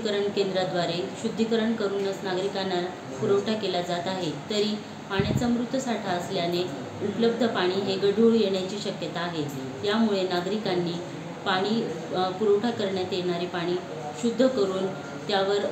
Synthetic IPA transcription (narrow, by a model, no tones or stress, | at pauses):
kəɾəɳkend̪ɾad̪ʋaɾeɕud̪ʱːikəɾəɳkəɾuːnːət͡snaɡɾikanaɾ | puɾəwʈʰakelad͡zat̪aɦet̪əɾiː | paɳjat͡samɾut̪ʋəsaʈʰaəsljane | ut̪ləb̚d̪ʱəpaɽ̃iːɦeɡəɖʱuɭjeɳ̃jat͡ɕiːɕəkjət̪aːɦe | jamuɭenaɡɾikanːiː | paɽ̃iːpuɾəwʈʰakəɾɳjat̪jeɳ̃aɾiːpaɽ̃iː | ɕud̪ʱːəkəɾuːn | t̪jaʋəɾ